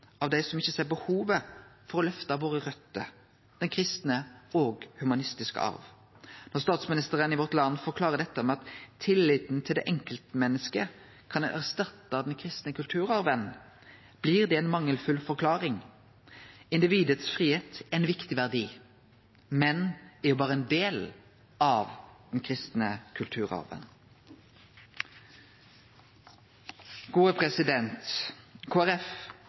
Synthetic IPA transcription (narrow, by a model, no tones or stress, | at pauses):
ɑʋd̪æɪsɔmɪçːəseːbəhuːʋəfɔɾɔlœft̪ɑʋoːʁəʁœt̪ːə | d̪̥ɛnkʰɾɪst̪nəoːɡhʉmɑnɪst̪ɪskə̰ɑ̰ɾʋ | nɔʁst̪ɑːt̪smɪnɪst̪əʁənɪʋɔʁt̪lɑnːfɔʁkʰlɑːʁəʁd̪ɛt̪ːəmɛɑt̪ʰːɪlːɪt̪nt̪ʰɪld̪ɛ̰ʔɛŋkəlt̪əmɛnːəskə | kʰɑnæ̰ʁst̪ɑt̪ːɑd̪ɛnkʰɾɪst̪nəkʰʉlt̪ʰʉːʁɑɾʋən | b̥liːʁd̪ɛɛnmɑŋəlfʉlfɔʁkʰlɑːʁɪŋ | ɪnd̪ɪʋiːd̪ət̪sfʁiːheːt̪ɛɪnʋɪkt̪ɪʋæʁd̪iː | mɛnæubɑːʁəɛnd̪eːl | ɑʋd̪̥n̩kʰʁɪst̪nəkʰʉlt̪ʰʉːʁɑ̰ʁʋə̰n | ɡuːəpʰʁɛsɪd̪ɛnt̪kʰoːæʁɛf